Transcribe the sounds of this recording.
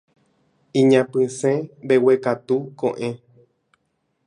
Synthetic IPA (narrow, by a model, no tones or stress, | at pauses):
ĩɲãpɨ̃sẽbewekat̪ukõ̰ʔẽ